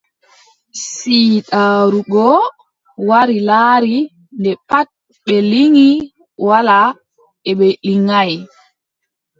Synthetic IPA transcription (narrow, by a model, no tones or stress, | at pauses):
siːtaːɾuɡɔ | waɾilaːɾi | ndɛpat̚ | ɓɛliŋi | wala | ɛɓɛliŋaj